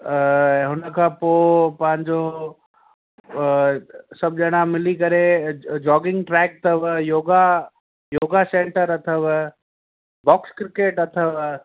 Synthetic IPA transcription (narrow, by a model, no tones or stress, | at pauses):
ɦʊnəkʰãːpopɐ̃ɦɪ̃ɲd͡ʑo | sɐb̚d͡ʒɐɽ̃amɪlikɐɾed͡ʑɔːɡɪ̃ŋɡʈɾɛːk̚t̪ʰəʋjoːɡa | joːɡasẽːɳʈəɾɐt̪ʰəʋ | bɔːkskɾɪkeːʈɐt̪ʰəʋ